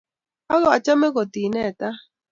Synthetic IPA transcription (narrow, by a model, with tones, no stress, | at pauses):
a˦ɣɔ˦˨a˨t͡ʃa˦mɛ˦kɔ˨ti˨nɛ˦˨ta˦